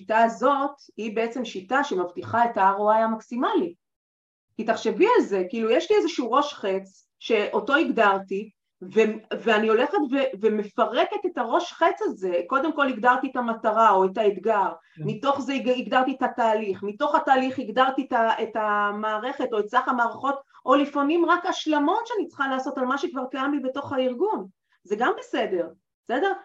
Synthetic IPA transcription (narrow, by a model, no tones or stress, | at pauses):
itaːzo̞t̪ | hibe̞et͡se̞mʃitaʃemavtiχaetaaʁoajamaksimali | kitaχʃe̞vialze̞kiːlujeʃliezeʃuuʁo̞ʃχe̞t͡s | ʃe̞ʔo̞to̞iɡdaʁt̪i | veveanio̞le̞χetveveme̞faʁeket̪e̞taʁo̞ʃχet͡saze̞ko̞d̪e̞mko̞liɡd̪aʁt̪ietamataʁao̞etaet̪ɡaʁ | mito̞χzeiɡd̪aʁt̪ietataːliχmito̞χataːliχhiɡdaʁt̪ietaetamaːʁe̞χe̞to̞et͡slaχamaːʁaχo̞tʔo̞lifonimʁakaʃlamo̞tʃeanit͡sχalaːso̞talmaʃekvaʁkajamlibeto̞χaiʁɡun | ze̞ɡambesede̞ʁ | esedeʁ